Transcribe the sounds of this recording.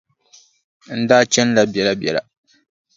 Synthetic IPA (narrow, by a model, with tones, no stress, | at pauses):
n̩˦daː˦t͡ʃɛ˦n˦la˨bjɛ˨la˦bjɛ˨la̰˨